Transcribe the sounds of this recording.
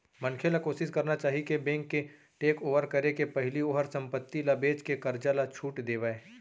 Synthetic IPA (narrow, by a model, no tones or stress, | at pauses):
mɐnkʰelakoːsɪskɐɾnat͡ʃaːɦikebɛ̃ːŋkːe | ʈeːkoːʋəɾkɐɾekepɛɦɪlioːɦəɾsɐ̃mpət̪ːilabeːt͡ʃkekɐɾd͡ʒalat͡ʃʰuːʈd̪eːʋaeː